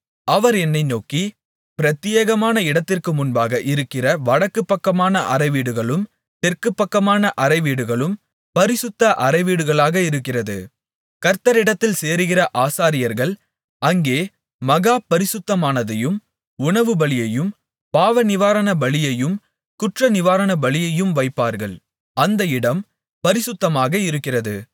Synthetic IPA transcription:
ɐʋɐɾɛnːɐɪnoːki | pɪɾɐt̪ːɪjeːɣɐmaːnɐɪɽɐt̪ːɪrkɯmʊnbaːɣɐʔɪɾɯkːɪrɐʋɐɽɐkːɯpːɐkːɐmaːnɐʔɐrɐɪʋiːɽɯɣɐɭɯm | t̪ɛrkɯpːɐkːɐmaːnɐʔɐɾɐɪʋiːɽɯɣɐɭɯm | pɐɾɪsɯt̪ːɐʔɐɾɐɪʋiːɽɯɣɐɭaːɣɐɪɾɯkːɪrɐðɯ̰ | kɐɾt̪ɐɾɪɽɐt̪ːɪlseːɾɯɣɪrɐʔaːsaːɾɪjɐɾɣɐɭ | ɐŋɡeː | mɐɣaːpɐɾɪsɯt̪ːɐmaːnɐðɐjɯm | ʊɳɐʋɯbɐɭɪjɐjɯm | paːʋɐnɪʋaːɾɐnɐbɐɭɪjɐjɯm | kʊʈrɐnɪʋaːɾɐnɐbɐɭɪjɐjɯmʋɐɪpːaːɾɣɐɭ | ɐnd̪ɐɪɽɐm | pɐɾɪsʊt̪ːɐmaːɣɐɪɾɯkːɪrɐðɯ̰

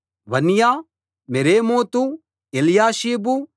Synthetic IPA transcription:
ʋɐnjaː | meɾeːmoːt̪u | eljaːʃiːbu

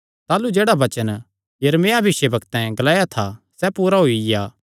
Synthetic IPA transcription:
t̪aːlud͡ʒeːɽaʋɐt͡ʃən | jɐɾmeːabɪʃebɐkt̪ɛ̃ɡɐlaːjat̪ʰa | sɛpuːɾaɦoijaː

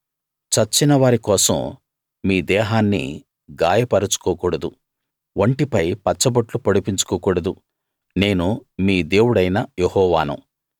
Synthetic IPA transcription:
t͡ʃɐt͡ʃːinɐʋaːɾikɔːsɐ̰m | miːd̪ɛːɦaːnːḭ | ɡaːjɐpɐɾɐt͡ʃu̥kɔːkuːɽɐd̪u | ʋɐɳʈipɐjpɐt͡ʃːɐbɐʈlupɐɽupiɲt͡ʃu̥kɔːkuːɽɐd̪u | ne̞ːnumiːd̪eːwuɽɐjnɐjehɔːʋa̰ːnṵ

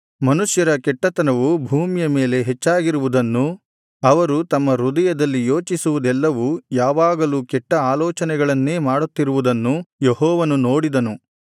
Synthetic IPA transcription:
mɐnuʂjɐɾɐkɛʈːɐt̪ɐnɐʋubʱuːmjɐme̞ːle̞ɦɛt͡ʃːaːɡiɾuʋud̪ɐnːu | ɐʋɐɾut̪ɐmːɐɾud̪ɐjɐd̪ɐlːijo̞ːt͡ʃisuʋud̪ɛlːɐʋujaːʋaːɡɐluːkɛʈːɐaːlɔːt͡ʃɐnɛɡɐɭɐnːe̞ːmaːɽut̪ːiɾuʋud̪ɐnːujehɔːʋɐnuno̞ːɽid̪ɐnu

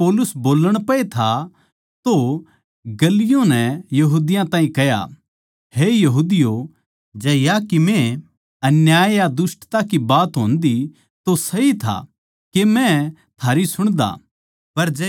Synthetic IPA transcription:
oːlʊsboːləɽ̃pɐet̪ʰa | t̪o | ɡɐlɪjõnɛjɐɦuːd̪ɪjãt̪ãːĩkɐja̰ | hejɐɦuːd̪ɪjo | d͡ʒɐːjakimẽ | ɐnjaːjad̪ʊsʈt̪akibaːt̪ɦõ̰ːnd̪i | t̪osɐɦit̪ʰa̰ | kemɛ̃t̪ʰaːɾisʊɽ̃d̪a̰ː | pɐɾd͡ʒɛ

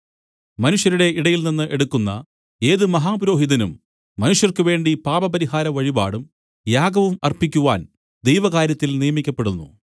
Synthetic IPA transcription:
mɐnuʂjɐɾuɽe̞iɽɐjilninːɨʔe̞ɽukːunːɐ̰ | e̞ːðɨmɐɦaːbuɾo̞ːɦiðɐnumː | ɐnuʂjɐrkɨʋe̞ːɳɖipaːbɐpɐɾiɦaːɾɐʋɐɻiba̰ːɽum | jaːɡɐʋumɐrpikʲːuʋaːn | d̪e̞jʋɐɣaːɾjɐt̪ːilnijɐmikʲːɐpːe̞ɽunːṵ

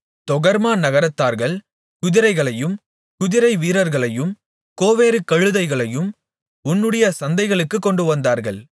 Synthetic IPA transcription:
t̪ɔɣɐɾmaːnɐɣɐɾɐt̪ːaːɾɣɐɭ | kʊðɪɾɐɪɣɐɭɐjɯm | kʊðɪɾɐɪʋiːɾɐɾɣɐɭɐjɯm | koːʋeːɾɯkːɐɻɯðɐɪɣɐɭɐjɯm | ʊnːɯɽɐjɐsɐnd̪ɐɪɣɐɭɯkːɯkːɔɳɖɯʋɐnd̪aːɾɣɐ̰ɭ

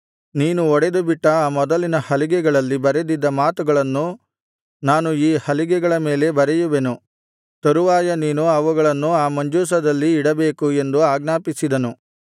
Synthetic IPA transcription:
niːnuɔɽed̪ubiʈːɐaːmɔd̪ɐlinɐhɐliɡɛɡɐɭɐlːibɐɾed̪id̪ːɐmaːt̪uɡɐɭɐnːu | naːnuiːhɐliɡɛɡɐɭɐme̞ːle̞bɐɾɛjuʋenu | t̪ɐɾuʋaːjɐniːnuɐʋuɡɐɭɐnːuaːmɐɲd͡ʒuːs̬ɐd̪ɐlːiːɽɐbe̞ːkue̞nd̪uaːɡnaːpisid̪ɐnu

